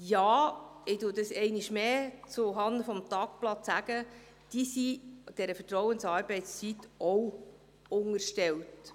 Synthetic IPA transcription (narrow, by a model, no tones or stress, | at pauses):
jɑː | ɪd̥udəsɛɪnɪʃmeːt͡sʊɦɑnd̪əfɔmt̪ɑːkplɑt͡sːæɡ̥ə | d̥isid̥ɛɾəfətɾɔwənsɑːɾbɛɪtt͡st͡sitɔw | ʊŋərʃtɛlt